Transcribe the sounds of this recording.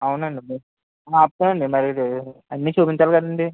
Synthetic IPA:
ɐwnɐɳɖimɐ | aːɐp̚t̪ɐnɐɳɖimɐɾid̪iɐnːit͡ʃuːpiɲt͡ʃaːlkɐd̪ɐɳɖi

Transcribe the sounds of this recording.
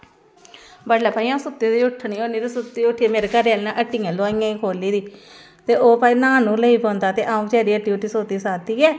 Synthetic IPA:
bəɽlaːpaːiãːsʊt̪ːeːd̪iːʊʈʰːɳiːoːniːd̪eːsʊt̪ːeːʊʈʰːiːmeːɾekəɾealːnãːʔəʈːiːjãːloːɪjãːiːkʰoːliːd̪iː | t̪eːoːpaːiːnãːnũːləiːpõːnd̪aːt̪eːʔaːũt͡ʃɛːɾiːəʈiːʋʈiːsoːt̪iːsaːt̪iːɛː

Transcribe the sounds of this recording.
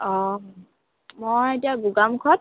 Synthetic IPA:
ɔ | mɔetiabuɡamkʰɔt̚

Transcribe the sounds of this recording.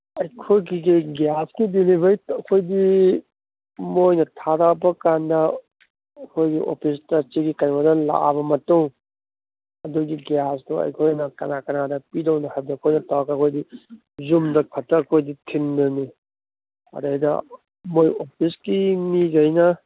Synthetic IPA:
ɐjkʰojɡiɡiɡjaskidilibɐjtɐkʰojdi | mojnɐtʰadawpɐkandɐ | ɐkʰojɡiʔo̰pʰis̬tɐsiɡikɐɾbɐdɐla̰ʔa̰bɐmɐtuŋ | ɐduɡiɡjasdoɐ̰jkʰojnɐkɐnakɐnadɐpidɐwnɐhab̚dɐɐkʰojnɐtawkaɐkʰojdi | zumdɐkʰɐtːɐːkʰojditʰindɐni | ɐ̰dajdɐ̰ | mojopʰiskimiɡɐjnɐ

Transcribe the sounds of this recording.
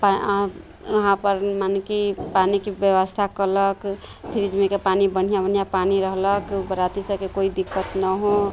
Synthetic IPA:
pa | əɦãpəɾmankipanikebjəwəst̪ʰakələk | pʰiɾid͡ʒmẽkepanibəɽ̤ijabən̤ijapaniɾəɦləkbəɾat̪isəkekoid̪ikːət̪nəɦo

